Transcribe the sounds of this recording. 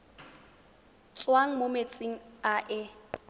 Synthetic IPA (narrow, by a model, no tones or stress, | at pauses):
t͡sʼwaŋ̩momet͡sʼiŋ̩aʔɪ